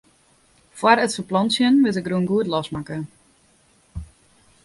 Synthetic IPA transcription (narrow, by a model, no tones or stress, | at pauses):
fwaɾətfəplɔnsjənʋɪtɪkruənɡuətlɔsmakə